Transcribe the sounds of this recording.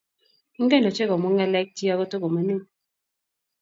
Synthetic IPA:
ŋ̩˦ɡɛ˦nɔ˨t͡ʃe˦ɡɔ˨mɔ˦ŋɛ˦lɛ˦k̚ti˦a˦kɔ˦to˦ɡo˨ma˦nu˦˨

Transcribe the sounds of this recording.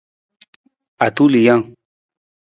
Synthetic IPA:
a˨tu˦li˨jã˦ŋ

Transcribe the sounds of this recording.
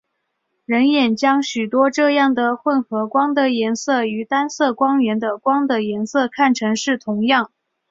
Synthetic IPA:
ɻə˧˥njɛ˨˩nt͡ɕjɑ˥ŋɕy˨˩t̪wɔ˥ʈ͡ʂɤ˥˧jɑ˥˩ŋd̪ə˩xwə˥˩nxɤ˧˥kwɑ˥ŋd̪ə˨jɛ˧˥nsɤ˥˩y˧˥t̪a˥nsɤ˥˩kwɑ˥ŋɥɛ˧˥nd̪ə˧kwɑ˥ŋd̪ə˨jɛ˧˥nsɤ˥˧kʰa˥˩nʈ͡ʂʰɤ˧˥ŋʂɻ̩˥˩t̪ʰʊ˧˥ŋjɑ˥˩ŋ

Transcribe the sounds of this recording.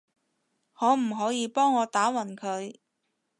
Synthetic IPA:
ŋɔː˨˥m̩˨˩ɦɔː˨˥jiː˨˧pɔː˥ŋːɔː˨˧t̪aː˨˥wɐ˨˩nkʰɵ˨˧ɥ

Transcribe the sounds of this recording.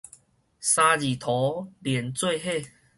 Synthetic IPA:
sa˧d͡ʑi˨˩t̪ʰɔ˨˦ljɛ˨˩nt͡swe˥˧ɦe˥˧˨

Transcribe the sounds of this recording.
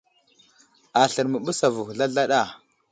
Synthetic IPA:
a˨ɬə˨ɾmə˨ɓu˦sa˨vu˨xɮa˦ɮa˦ɗa˨

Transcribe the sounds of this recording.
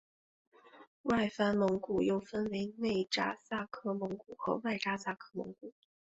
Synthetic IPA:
wa˥˩ɪfa˥nmɤ˧˥ŋku˨˩jo˥˩ʊfə˥nwe˧˥ɪne˥˩ɪʈ͡ʂa̰˥sa˥˩kʰɤ˥mɤ˧˥ŋku˨˩xɤ̰˧˥wa˥˩ɪʈ͡ʂa˥sa˥˩kʰɤ˥mɤ̰˧˥ŋku˨˩˦

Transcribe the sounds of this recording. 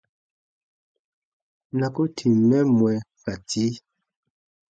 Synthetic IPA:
na˨ku˦tʰi˨nɛ˦mwɛ˨ka˨ti˦

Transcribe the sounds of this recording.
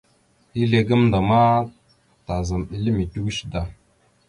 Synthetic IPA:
i˦ɮe˨ɡə˦mnda˨ma˦ | ta˨za˨mi˦li˦mi˨tu˦wʃda˨

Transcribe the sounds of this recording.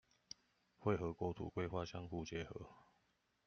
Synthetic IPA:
xwe˥˨ɪxɤ˨˥kwɔ˥t̪ʰṵ˨˩kwe˥˦ɪxwa˥˨ɕjɑ˥˦ŋxu˥˩t͡ɕjɛ˨˦xɤ˧˨˦

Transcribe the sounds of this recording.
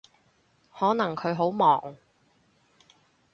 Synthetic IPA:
hɔː˨˥nɐ˨˩ŋkʰɵ˨˧ɥɦo˨˥wmɔː˨˩ŋ

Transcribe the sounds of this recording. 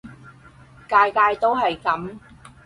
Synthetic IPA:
kaː˧jkaː˧jt̪o˥wɦɐ˨jkɐ˨˥m

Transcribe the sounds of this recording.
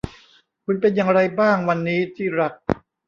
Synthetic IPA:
kʰu˧npe˧njaː˧ŋɾa˧jbaː˥˩ŋwa˧nːiː˦˥t̪ʰiː˥˩ɾa˦˥k̚

